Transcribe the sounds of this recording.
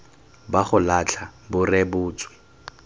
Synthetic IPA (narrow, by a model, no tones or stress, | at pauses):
baχʊlat͡ɬʰabʊrɛbʊːt͡swɪ̥